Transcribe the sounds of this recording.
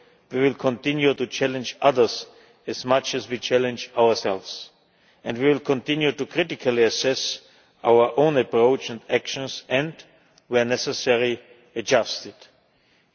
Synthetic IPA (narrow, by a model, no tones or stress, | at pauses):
wiwɪlˠkʰɔ̃ntɪ̃njutut͡ʃʰælɨ̃nd͡ʒaðə˞z | ɨzmat͡ʃɨzwit͡ʃʰælɨ̃nd͡ʒaʊə˞sɛlvs | ɛ̃nwiwɪlkʰɔ̃ntɪ̃njutukʰɹ̥ɪtɪkʰaliɨsɛs | ʔaʊə˞ʔõʊ̃nəpɹoʊt͡ʃɛ̃ndækʃə̃nsɛ̃nd | wənɛsɛsɛɹi | ɨd͡ʒastɪd̥